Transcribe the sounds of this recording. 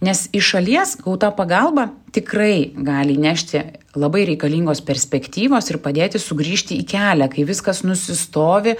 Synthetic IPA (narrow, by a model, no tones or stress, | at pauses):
nʲɛsɪʃɐlʲiɛsɡɐʊt̪ɑːpɐɡɐlˠbɑːt̪ʲɪkrɐɪɡɑːlʲɪːnʲæːʃʲt̪ʲɪ | lˠɐbɐɪɾʲɛɪkɐlʲiːŋɡoːspʲɛɾʲsʲpʲɛkt̪ʲiːʋoːsɪɾpɐd̪ʲeːt̪ʲɪsʊɡɾʲiːʃʲt̪ʲɪiːkʲæːlʲɛkɐɪʋʲɪskɐsnʊsʲɪst̪oːʋʲɪ